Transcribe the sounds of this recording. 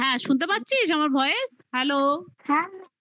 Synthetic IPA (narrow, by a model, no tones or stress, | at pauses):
ɦɛ̃ʃunt̪̬epat̪ːɕʰiʃ̬amaɾbʱɔeeʃhɛlohɛ